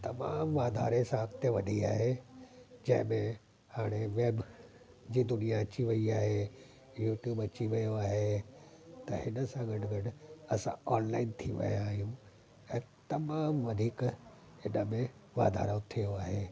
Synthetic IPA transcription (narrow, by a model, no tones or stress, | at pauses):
t̪ɐma̰ːmʋaːd̪ʱa̰ːɾesãɦɐk̚t̪jəʋɐɗʱiaːɦe | d͡ʑɐ̃ɦɪ̃mẽ | haːɽ̃eʋeːb | d͡ʑiːd̪ʊnijat͡ɕiʋɐiaːɦe | juːʈjuːbɐt͡ɕiʋɐjoaːɦe | t̪ɐɦɪnəsãɡɐɖɡɐɖɐsã̰ɔːnlaːɪnt̪ʰiʋɐ̰jaːɦijũ | ɛ̃ːt̪ɐmaːmʋɐd̪ʱiːk | ɪnəmẽʋa̰ːd̪ʱa̰ːɾot̪ʰijoaːɦeː